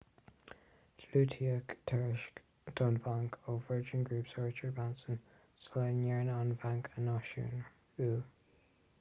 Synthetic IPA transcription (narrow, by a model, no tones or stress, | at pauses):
dluːtʰiəkt̪ʰɛɹɪʃk | d̥ɑnvaŋkʰoːvəɹd͡ʒɪnɡɹuːpsɔɹt͡ʃəɹbansən | sɔlənjɛɹnanvaŋkʰənɑʃṵːn | uː